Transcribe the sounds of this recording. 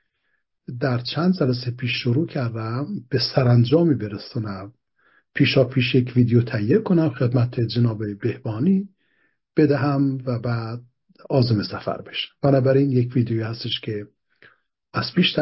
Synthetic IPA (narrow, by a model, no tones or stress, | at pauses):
d̪æɾt͡ʃʰænd̪d͡ʒælæs̬epʰiːʃːoɾuːcʰæɾd̪æmb̥e̞sæɾænd͡ʒɒːmiːbeɾesɑːnæm | pʰiːʃɒːpʰiːʃjecʰviːd̪ejot̪ʰæjːekʰonæmxed̪mæt̪ʰed͡ʒenɒːbebe̞hb̥ɒːniː | b̥ed̪æɦæmvæbæːd̪̚ | ɒːzemesæfæ̰ɾbe̞̥ʃæ̥mb̥ænɒːbæɾinjekviːd̪ejoihæst̪eʃkʰe | æz̥pʰiːʃt̪